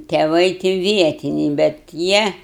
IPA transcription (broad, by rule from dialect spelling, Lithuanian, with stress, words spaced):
tʲɛˈʋɐɪ tʲɪ ˈʋʲiɛtʲɪnʲɛɪ bʲɛt ˈjiɛ